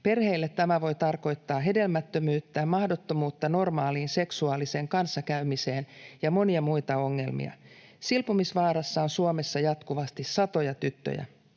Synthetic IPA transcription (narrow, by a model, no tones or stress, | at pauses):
pe̞rhe̞ilːet̪ːæmæʋo̞jt̪ɑrko̞jt̪ːɑːɦe̞de̞lmæt̪ːømyːt̪ːæːmmɑhdo̞t̪ːomuːt̪ːɑno̞rmɑːliːnse̞ksuɑːlise̞ːŋkɑnsːɑkæymiseːnjɑmo̞niɑmujt̪ɑo̞ŋːe̞̰lmḭɑ̰ | silpumisʋɑːɾɑsːɑonsuome̞sːɑjɑt̪kuʋɑst̪isːɑt̪o̞jɑt̪yt̪ːø̰jæ̰